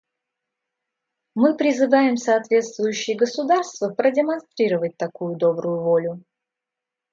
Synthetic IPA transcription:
mɨpɾʲɪzɨvajɪmsɐːt̪vʲe̞t̪st̪vʊjʉɕːɪjəɡəsʊd̪arst̪vəpɾədʲɪmɐnst̪ɾʲiɾəvət̚ʲt̪ɐkujʊd̪o̞bɾʊjʊvolʲʊ

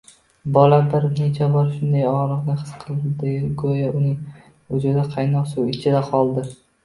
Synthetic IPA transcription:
bɒlabɪɾnet͡ʃʰabɒɾʃʊnd̪ajɒɾɨʁnɪχɨ̥sqʰɨlˠd̪ɪɡojaʊnɪ | ʊd͡ʒʊd̪aqʰɑjnɒqsuwɪt͡ʃʰɪd̪aqʰɒlˠd̪ɪ

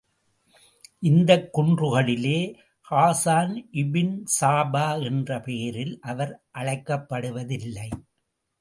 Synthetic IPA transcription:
ʔɪnd̪ɐkːʊɳdrɯɣɐɭɪleː | haːsaːnʔɪbɪnsaːbaːɛndrɐpeːɾɪlʔɐʋɐɾʔɐɻɐɪkːɐpːɐɽɯʋɐðɪlːɐɪ

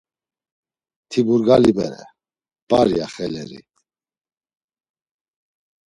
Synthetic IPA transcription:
t̪ʰibuɾɡalibɛ̰ɾɛ̰ | b̥aɾjjaχɛlɛɾḭ

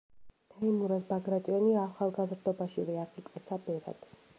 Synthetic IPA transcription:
t̪ʰaimuɾasbaɡɾat̪ʼiɔniaːχalˠɡazɾd̪ɔbaʃivɛaχik̪ʼɛt̪sʰabɛɾa̰d̪̥

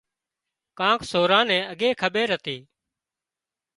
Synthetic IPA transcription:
kãːkʰsoːɾãːnɛ̃ːəɠeːkʰəɓeːɾət̪iː

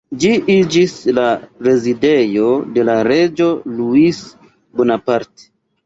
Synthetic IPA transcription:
d͡ʒiʔid͡ʒislaɾe̞zide̞jo̞de̞laɾe̞d͡ʒo̞luis | bonapaɾte̥

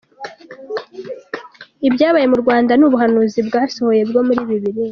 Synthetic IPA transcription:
ibɟaːβaje̞muɾɡwaːndanuβuɦanuːzibɡaːso̞ho̞je̞bɡo̞muɾiːβiβiɾi

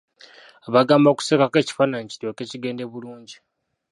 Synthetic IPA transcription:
aβaɡaːmboku̥seːkake̞ːci̥fanaɲicitoke̞ːciɡe̞ːnde̞βuluːɲɟi

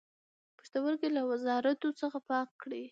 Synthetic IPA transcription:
pəʃt̪awəɾkelawazɑɾat̪ot͡səxapɑkːɽi

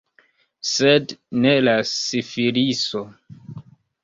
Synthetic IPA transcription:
sednelasifiɾiso

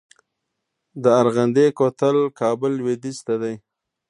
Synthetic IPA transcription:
d̪əaɾɣand̪ekot̪əlkɑbʊlwed̪ist̪ad̪aj

